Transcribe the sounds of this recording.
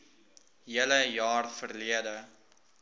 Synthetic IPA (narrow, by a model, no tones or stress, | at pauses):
ɦiələjɑːrfərliədə